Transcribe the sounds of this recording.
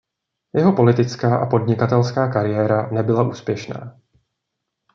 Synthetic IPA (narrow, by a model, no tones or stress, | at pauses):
jɛɦo̞po̞lɪt̪ɪt͡skaːʔapo̞dɲɪkat̪ɛlskaːkaɾɪjɛːɾanɛbɪlaʔuːspjɛʃna̰ː